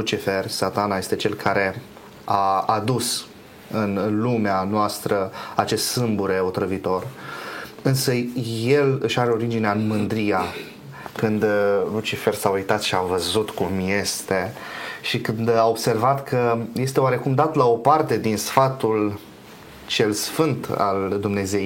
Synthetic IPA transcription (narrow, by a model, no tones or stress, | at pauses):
lut͡ʃifersat̪anaje̞st̪e̞t͡ʃe̞lkʰaɾe̞ | aːd̪us | ɨnlumeanoast̪ɾəat͡ʃe̞st̪sɨmbuɾe̞o̞t̪ɾəvit̪o̞r | ɨnsəje̞lɨʃaɾe̞o̞ɾid͡ʒineaɨnmɨnd̪ɾija | kɨnd̪lut͡ʃife̞rsaujt̪at̪ʃiavəzut̪kumje̞st̪e̞ʃikɨnd̪ao̞bse̞rvat̪kʰəje̞st̪eoaɾe̞kumd̪at̪lao̞part̪e̞d̪insfat̪ul | t͡ʃe̞lsfɨnt̪a̰ld̪umne̞zejj